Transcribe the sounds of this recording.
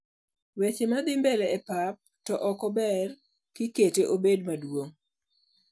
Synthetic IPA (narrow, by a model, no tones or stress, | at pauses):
wet͡ʃemad̪ɪmbɛlɛɛpap̚tɔʔɔkɔbɛr | kɪketeʔobedmadwoŋ